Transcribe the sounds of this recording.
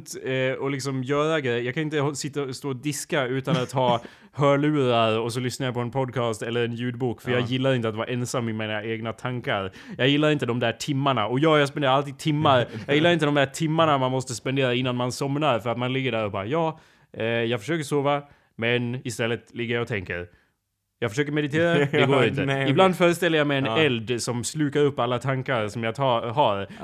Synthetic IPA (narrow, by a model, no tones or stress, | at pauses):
t̪ɛɔlɪksɔmjœːɾaɡɾɛjəjɑːɡkʰanɪnt̪əsɪt̪ːaɔst̪oːɔd̪ɪskaʉ̟ːt̪anat̪ʰːɦɑː | hœːɭʉ̟ːɾaɾɔs̬ɔlʏsnajapʰɔɛnpʰɔd̪̚kʰɑːst̪ɛlːəɾɛnjʉ̟ːd̪̚buːkfœɾjɑːɡjɪlːaɾɪnt̪əat̪vaɾʔɛnsamːɪmanaeːɡnat̪ʰaŋkaɾ | jɑːɡjɪlːaɾɪnt̪əd̪ɔmd̪æʈʰɪmːaɳaɔjɑːjaɡspɛnd̪eːɾaalt̪iːd̪̚t̪ʰɪmːaɾjɑːɡjɪlːaɾɪnt̪əd̪ɔmd̪æːʈʰɪmːaɳamanmɔst̪əspɛnd̪eːɾaɪnːanmansɔmɾaɾfœɾat̪manlɪɡːəɖæːɾɔbɑːɾajɑː | jɑːɡfœ̥ʂøːkəʂoːva | mɛnɪst̪ɛlːət̪lɪɡːəjajɔt̪ʰɛŋkəɾ | jɑɡfœʂøːkəɾmɛd̪ɪt̪ʰeːɾaɛɡoːɾɪnt̪əɪbland̪fœːɾəst̪ɛlːəjamɛjɛnɛld̪sɔmslʉ̟ːkaɾɵpːalːat̪ʰaŋkaɾsɔmjɑɡt̪ʰɑɦɑɾ